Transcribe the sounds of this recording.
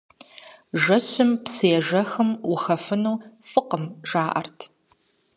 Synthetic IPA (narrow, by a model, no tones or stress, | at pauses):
ʒɐɕɪmpseːʒɐxɨmwʊxɐfɨnuːfɨqəmʒaːʔɐ̰rtʰ